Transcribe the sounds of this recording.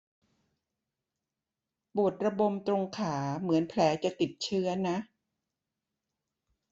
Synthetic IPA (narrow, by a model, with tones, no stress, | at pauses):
bu˨˩ət̪̚ɾa˧bo˧mt̪ɾo˧ŋkʰaː˩˦mɯ˩˦ənpʰlɛː˩˦t͡ɕa˨˩t̪i˨˩t̪̚t͡ɕʰɯ˦˥ɐna˦˥ʔ